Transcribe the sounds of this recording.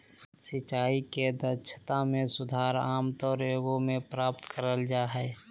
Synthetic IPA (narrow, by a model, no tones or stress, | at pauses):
sɪt͡ʃaːiked̪əɾt͡ʃʰə̥t̪amẽsʊd̪ʱaːɾaːmt̪ɔːɾoːɡõmẽpɾaːp̚t̪kəɾəld͡ʒaːɦɛː